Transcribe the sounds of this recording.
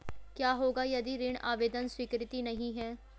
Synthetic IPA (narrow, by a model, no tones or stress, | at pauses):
kjaːɦoːɡajɐd̪iɾɪːɳ̃ʔa̰ːʋeːd̪ənswikɾɪt̪inɐɦĩɦɛ̃ː